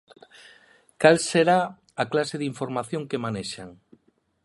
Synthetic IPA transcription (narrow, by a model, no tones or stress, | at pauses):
kalseɾa | aklaseðiɱfoɾmaθjoŋkemaneʃaŋ